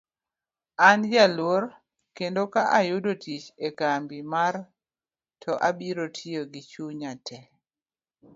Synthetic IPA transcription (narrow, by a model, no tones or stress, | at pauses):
anjalwoɾ | kendokaʔajʊdotit͡ʃekambimar | tʰɔʔabiɾotʰioɡit͡ʃuɲatʰɛ